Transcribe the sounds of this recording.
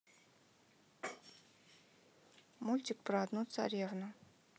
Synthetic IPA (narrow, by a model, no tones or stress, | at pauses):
mulʲt̪ʲɪk̚pɾad̪nut̪sa̰ɾʲevnu